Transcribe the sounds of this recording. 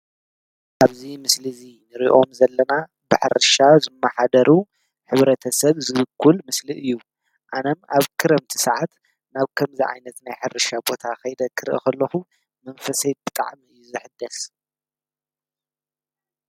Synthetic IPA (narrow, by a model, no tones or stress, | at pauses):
ʔaβzimɨslɨzinɨɾiʔo̞mzɐlːɐna | bɨħɨ̰ɾɨʃazɨmːaħad̪ɐɾu | ħɨβɾɐt̪ʰɐsɐβzɨβɨkʰːulmɨsliʔɨjːu | ʔanɐmʔaβkʰɨɾɐmt̪ʰi̥sɐʕat̪ | naβkʰɐmziʕa̰jnɐt̪najħɨɾɨʃabo̞t̪ʰaxɐjd̪ɐkʰɨɾʔḭkɐlːɐxu | mɐnfɐsɐt̪̚bɨt̪ʼa̰ʕmiɨjːuzɨħɨd̪ːɐs